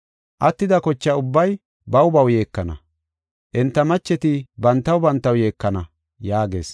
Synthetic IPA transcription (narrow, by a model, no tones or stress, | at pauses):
ʔɐt̪ːɪd̪ɐkɔt͡ʃːɐʊbːɐj | bɐwbɐwje̞ːkːɐnɐ | ʔɛnt̪ːɐmɐt͡ʃːɛt̪ɪbɐnt̪ːɐwbɐnt̪ːɐwje̞ːkːɐnɐ | jaːɡe̞̰ːs